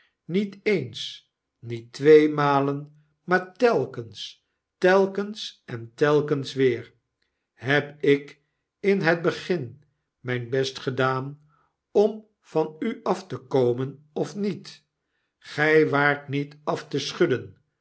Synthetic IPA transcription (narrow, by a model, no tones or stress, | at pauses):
nitejns | nitʋejmaːlən | maːɹtɛlˠkəns | tɛlˠkənsɛntɛlˠkənsʋɪːɹ | ɦɛpɪk | ɪnɦəd̚bəχɪn | mɛjnbɛstχədaːn | ɔm | v̥ɑnyɑftəkowmən | ɔfnit | χɛjʋaːɹtnitɑftəsχɵdən